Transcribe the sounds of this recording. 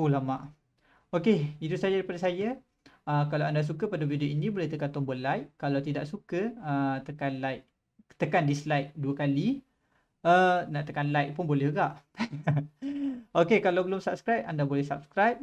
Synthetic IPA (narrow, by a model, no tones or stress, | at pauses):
ulamaʔ | okeit̪usajaɾipadasad͡ʒa | əkalawandas̬ukəpadavidoinĩbolɛht̪əkant̪ɔmbolajʔkalawt̪ida̰ʔsukəət̪əkanlajk̚ | t̪əkandislajk̚duəkali | ənaʔt̪əkanlajk̚pʊnbolɛhɡaʔ | okekalawbəlʊmsap̚skɾajp̚andabolɛhsap̚skɾajp̚